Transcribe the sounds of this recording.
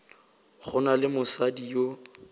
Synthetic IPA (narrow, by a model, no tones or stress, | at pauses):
χʊnalɪmʊsadijo